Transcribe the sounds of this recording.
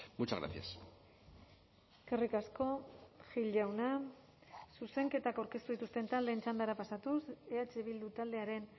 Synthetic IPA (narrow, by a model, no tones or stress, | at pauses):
mut͡ʃaɣɾa̰θia̰s | kerikasko̞ʝiʎawna | suse̞ŋke̞t̪akawɾke̞st̪uðit̪ust̪e̞nt̪ald̪e̞ːnt͡ʃand̪aɾapasat̪use̞at͡ʃe̞β̞ild̪ut̪ald̪e̞aɾe̞n